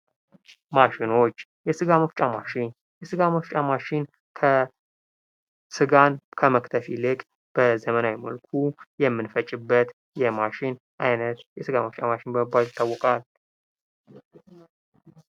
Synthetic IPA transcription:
maʃɪno̞t͡ʃː | jɛsɨɡaməft͡ʃʼamaʃɪn | jɛsɨɡaməft͡ʃʼamaʃɪn | kʰə | sɨɡankʰəməkt̪ʰəfilɨkʼ | b̥əzəmənawiməlkʰujɛmːɨnfət͡ʃʼːɪbːət̪ | jɛmaʃɪn | ʔajnət̪jɛsɨɡaməft͡ʃʼamaʃɪnbəməbːalɪt̪ʰːawːɔkʼal

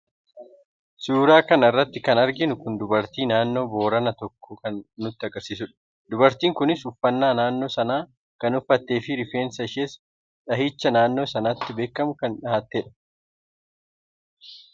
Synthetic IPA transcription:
suːɾaːkɐnɐrːɐt̪ːɪkɐnɐɾɡɪnʊkʊnd̪ʊbɐɾt̪iːnaːnːo̞ːbo̞ːɾɐnɐt̪ɔkːɔkɐnːʊt̪ːɪɐɡɐɾsiːs̬ʊᶑɐ̥ | d̪ʊbɐɾt̪iːŋkʊnɪsʊfːɐnːaːnaːnːo̞ːsɐnaː | kɐnʊfːɐt̪ːe̞ːfɪɾɪfeːnsɐʃeːs | ᶑɐɦiːt͡ʃːɐnaːnːo̞ːsɐnaːt̪ːɪbe̞ːkːɐmʊkɐnᶑɐhaːt̪ːeːᶑɐ̥

